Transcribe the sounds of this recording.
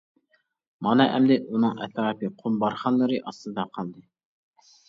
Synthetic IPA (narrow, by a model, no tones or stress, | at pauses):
mɑnɛʔɛmd̪ɪunɨŋɛ̰t̪ʰɾɑːpɨqʰombɑɾχɑnlːˠɨɾɨʔɑst̪ɨd̪ɑqʰɑlˠd̪ɨ